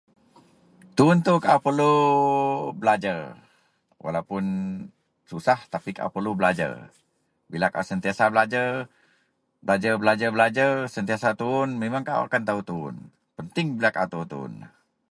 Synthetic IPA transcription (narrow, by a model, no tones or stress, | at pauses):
t̪uʊnt̪ukaʔupərlu | bəlad͡ʒər | wʔa̰lawpʊn | susaht̪apika̰ʔṵpərlubəlad͡ʒə̰r | bilakaʔasənt̪iasabəlad͡ʒə | bəlad͡ʒəbəlad͡ʒəbəlad͡ʒərsənt̪iasat̪uʊnmemaŋkaʔa̰a̰kant̪aut̪uʊ̰n | pənt̪ɪŋbilakaʔut̪uunt̪ṵʊ̰n